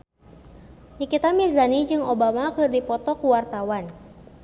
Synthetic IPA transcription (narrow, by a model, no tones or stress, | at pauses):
ɲikit̪amizanid͡ʒɨŋobamakɨrdipɔt̪ɔkuwart̪awan